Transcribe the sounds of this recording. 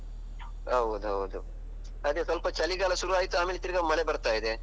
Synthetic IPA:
ɦɐʋud̪uɦɐ̰ʋud̪u | ɐd̪jɐsɐlpɐt͡ʃɐliɡaːlɐʃuɾuaːjit̪ːuaːmelit̪ːiɾiɡɐmɐɭebɐɾt̪aːjid̪e

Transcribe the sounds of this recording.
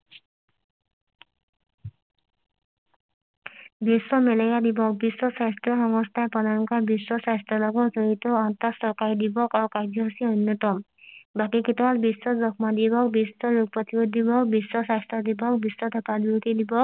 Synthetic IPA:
biswɔmelɔjad̪ibɔk̚biswɔsast̪ɔxɔŋɔst̪ʰaepɔnaŋkabiswɔsast̪ɾɔlɔɡɔzɔɹit̪ɔɔnt̪asɔkaɹid̪ibɔkaɹukaɡjɔɦsiɔnjɔt̪ɔm | bakiket̪ɔwalbiswɔzɔkmad̪ibɔkbisɔɹuɡ̚pɔt̪ibod̪ibɔkbiswɔsast̪ɾɔd̪ibɔk̚biswɔt̪ʰɔkadut̪id̪ibɔk̚

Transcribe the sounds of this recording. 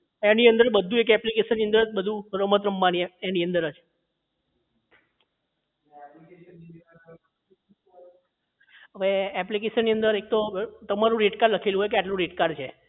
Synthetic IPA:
eniənd̪əɾbəd̪ʱũek̬ɛplikeʃənːiənd̪əɾəbəd̪ʱũɾəmət̪ɾəmbanieniənd̪əɾəd͡ʒ | ɦəʋeɛplik̬eʃənːiənd̪əɾek̚t̪ot̪əmaɾũɾeʈkaɾləkʰeluɦoɔjkeaʈlũɾeʈkaɾt͡ʃʰe

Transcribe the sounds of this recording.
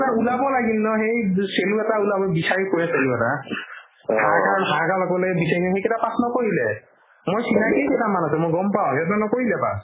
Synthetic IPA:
taulabɔlaɡilnɔɦejseluat̪aulabɔbisajkojẽseluat̪a | kʰakaɾɔnɦʰakalɔkɔlebisaiɔɦeketapasnɔkoɦile | mojsinakeketamanɔt̪ɛmoɡɔmpaw̃et̪ɔɔnɔkoileba̰

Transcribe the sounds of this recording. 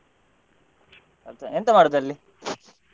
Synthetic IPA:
ɐt̪ɐent̪ɐmaːɽud̪ɐlːi

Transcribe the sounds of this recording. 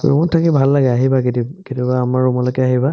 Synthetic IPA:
ṵmɔntʰːakibʱalːaɡɛaɦibakitikitibaːmaɹumɔlɔjkɛaɦiba

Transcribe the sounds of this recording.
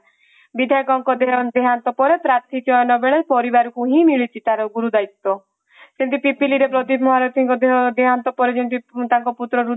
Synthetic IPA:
bid̪ʱaɡɔŋkɔd̪eɦɔd̪eɦant̪ɔpɔɾepɾat̪ʰid͡ʒɔɔnɔbeɭepɔɾibaɾɔkuɦĩmiɭit͡ʃʰit̪aɾɔɡuɾud̪ajt̪ːɔ | sent̪ipipiliɾepɾɔt̪ibʰʱmɔɦaɾɔt̪ʰiŋkɔd̪eɦɔd̪eɦant̪ɔpɔɾed͡ʒɔnt̪it̪aŋkɔput̪ɾɔɾu

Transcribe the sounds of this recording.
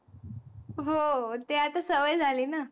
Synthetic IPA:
ɦot̪eat̪asəʋəjd͡zʱaliːna

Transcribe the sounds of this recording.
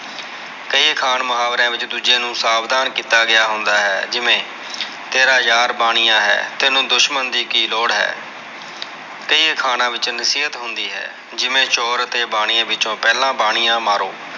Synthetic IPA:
kəiːkʰaːnməɦaːʋɾãːʋɪt͡ʃd̪uːd͡ʒeːnũːsaːbd̪aːnkiːt̪aːɡɪjaːɦʊnd̪aːɦɛːd͡ʒɪʋẽː | t̪eːɾaːjaːɾbaːɽ̃ijãːɦɛ̰ːt̪ɪnũːd̪ʊʃmənd̪iːkiːloːɽɦɛ̰ː | kəiːkʰaːnãːʋɪt͡ʃnəsiːɦət̪ɦʊnd̪iːɦɛ̰ː | d͡ʒɪʋẽːt͡ʃoːɾət̪eːbaːɽ̃iːãːʋɪt͡ʃõːpɛːlãːbaːɽ̃ijãːmaːɾoː

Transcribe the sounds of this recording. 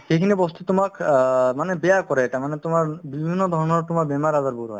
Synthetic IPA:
xekʰinebost̪et̪omakmanebejakɔɾeeʈamanet̪omaɾbibʱinːod̪ʱɔɾɔneɾt̪omaɾbemaɾazaɾbuɾɦɔ̰e

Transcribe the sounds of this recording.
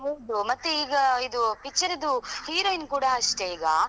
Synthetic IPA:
mud̪umɐt̪ːuiːɡɐid̪upikt͡ʃːɐɾid̪uhiːɾoːinkuːɽaɐʂʈeiːɡɐ

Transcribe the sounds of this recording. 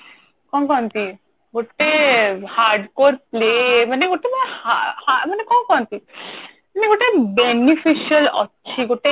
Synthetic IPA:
kɔnkɔnt̪i | ɡoʈehaɾɖkoɾplemaneɡoʈemaneahamanekɔnkɔnt̪i | maneɡoʈebenifʰiʃiəlɔ̰tːʃʰiɡoʈe

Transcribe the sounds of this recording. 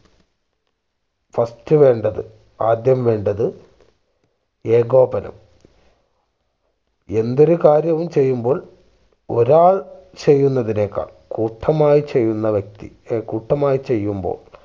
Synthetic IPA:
fɐstɨʋe̞ːɳɖɐðɨ | aːd̪jɐmʋe̞ːɳɖɐðɨ | eːɡo̞ːbɐnɐ̰m | e̞nd̪o̞ɾukaːɾjɐʋumt͡ɕe̞jːumbo̞ːɭ | o̞̰ɾaːɭt͡ɕe̞jːunːɐðine̞ːkːa̰ːɭkuːʈʰːɐmaːjit͡ɕe̞jːunːɐʋjɐk̚t̪ḭ | kuːʈʰːɐmaːjit͡ɕe̞jːumbo̰ːɭ

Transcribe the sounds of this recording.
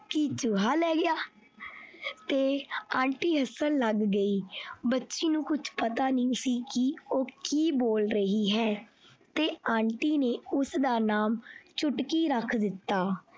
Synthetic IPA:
kiːt͡ʃʊɦaːlɛːɡɪjaː | t̪eːãːɳʈiːɦəsəlːəɡːəiːbətːʃeːnũːkʊt͡ʃʰpət̪aːniːsiːkioːkiːboːlɾəɦiːɦɛː | t̪eːãːɳʈiːneːʊsd̪aːnaːmt͡ʃʊʈkiːɾəkʰd̪ɪt̪ːaː

